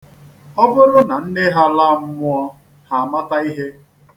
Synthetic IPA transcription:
ɔ˦bʊ˦ɾʊ˦na˨n̩˦ne˦ɦa˦la˦˨m̩˦mʊ˦ɔ˦ | ha˨a˨ma˦ta˦i˦ɦe˦

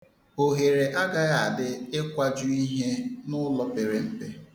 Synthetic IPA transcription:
o˨ɦe˨ɾe˨ʔa˦ɡa˦ɣa˦˨a˨dɪ˦ɪ˦kʷa˦d͡ʒʊ˦i˦ɦe˦nʊ˦lɔ˦pe˨ɾe˨m̩˦pe˦

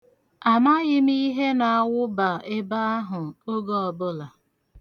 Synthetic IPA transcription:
a˨ma˦ɣɪ˦m˦i˦ɦe˦na˨a˦wʊ˦ba˨ɪ˦ba˦a˦ɦʊ˨o˦ɡo˦ɔ˨bʊ˦la˨

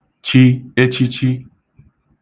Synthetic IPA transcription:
t͡ʃi˦e˦t͡ʃi˦t͡ʃi˦

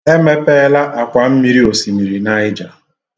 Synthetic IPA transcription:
e˦me˦pe˦la˦ʔa˨kʷa˨m̩˦mi˦ɾi˦o˨si˨mi˨ɾi˨na˦ɪ˦d͡ʒa˨

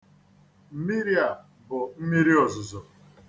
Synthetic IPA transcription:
m̩˦˨mi˦ɾi˦a˨ | bʊ˨m̩˦mi˦ɾi˦ɔ˨zʊ˨zɔ˨

